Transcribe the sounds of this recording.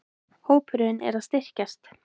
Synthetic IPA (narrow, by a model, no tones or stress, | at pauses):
hoːwpʰʏɾʏʏnɛ̰ɾaðst̪ɪr̥cast̪